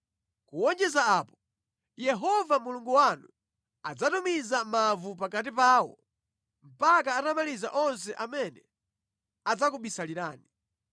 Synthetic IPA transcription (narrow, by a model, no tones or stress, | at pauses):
kuwɔnd͡ʒɛzaaːpɔ̥ | jɛɦɔvamuluŋɡuwanu | ad͡zatumizamavupakat̬ipaːwɔ̰ | m̩pakaːtamaliza̰ʔɔns̬ɛʔamɛnɛ | ad͡zakuɓisaliɾaːni